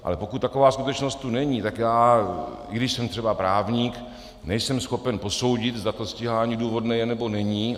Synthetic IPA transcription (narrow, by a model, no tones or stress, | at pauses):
ʔa̰lɛpo̞kut̪t̪ːako̞vaːskut̪ɛt͡ʃnost̪̚t̪unɛɲiːt̪akjaː | ɪ̰ɡdɪʃsɛmt̪r̝̥ɛbapɾaːvɲiːk | nɛjsɛmsxo̞pɛnpo̞so̞wɟɪdt̪zd̪at̪osciɦaːaɲiduːvo̞dnɛjɛnɛbo̞nɛɲiː